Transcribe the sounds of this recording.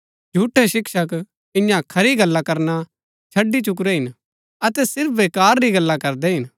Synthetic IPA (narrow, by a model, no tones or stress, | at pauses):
d͡ʒʱuːʈʰːɛʃɪkʃək | ɪ̃jãkʰɐɾiɡɐlːakɐɾna | t͡ʃʰɐɖːit͡ʃʊk̬ɾɛɦɪn | ɐt̪ɛsɪɾpʰʋeːkaːɾːiɡɐlːakɐɾd̪ɛɦɪn